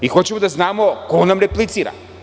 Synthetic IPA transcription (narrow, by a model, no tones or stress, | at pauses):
ixot͡ɕemod̪aznaːmokoonamɾeplˠit̪siːɾa̰